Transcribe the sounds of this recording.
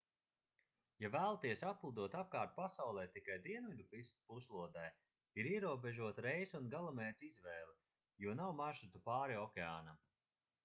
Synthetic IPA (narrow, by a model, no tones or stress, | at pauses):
javæːlˠat̪iɛsaplˠud̪uɔt̪ap̚kaːɾt̪̚pasawlˠɛːt̪ikajd̪iɛnvid̪upist̪puslˠuɔd̪aj | iɾiɛɾuɔbeʒuɔt̪ɾejsunɡalˠamɛːt̪izvɛːlˠi | juɔnawmaʃut̪upaːɾiɔkʲea̰ːna